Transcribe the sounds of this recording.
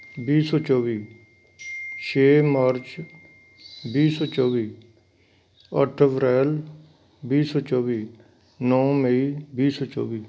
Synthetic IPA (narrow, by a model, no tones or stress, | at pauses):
biːsoːt͡ʃɔːʋiː | t͡ʃʰeːmaːɾt͡ʃ | biːsoːt͡ʃɔːʋiː | əʈʰeʋɾɛːl | biːsoːt͡ʃɔːʋiː | nɔ̃ːməiːbiːsoːt͡ʃɔ̰ːʋiː